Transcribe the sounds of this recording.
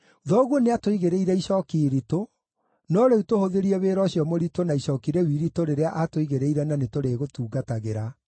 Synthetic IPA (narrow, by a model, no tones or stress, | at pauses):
uðɔɣwoneatoiɣeɾeiɾɛiɕɔːkiːɾito | nɔɾeutohoðeɾiɛβeːɾɔɕijɔmoɾitonaiɕɔkiɾɛwiɾitoɾeɾeaʔatoiɣeɾeiɾɛnanetoɾeɣotuːɡataɣeɾa